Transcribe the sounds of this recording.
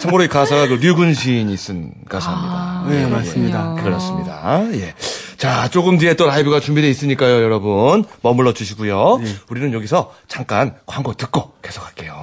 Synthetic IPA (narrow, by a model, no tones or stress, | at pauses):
t͡ɕʰaŋɡoɾoikasʰaɡakɯɾiɡunɕʰiɲiːs͈ɯn | kasʰaɦamɲidanemas͈mɲidakɯɾʌs͈ɯmɲida̰je̞t͡ɕat͡ɕ͈oɡɯmnie̞t͈oɾaibɯɡat͡ɕumbide̞is͈ɯɲik͈ajojʌɾʌbunmʌmuɭːʌd͡ʑuɕʰiɡujouɾinɯnjʌɡisʰʌt͡ɕaŋk͈ankwaŋɡotɯk̚k͈oke̞sʰo̥kʰḁk͈e̞jo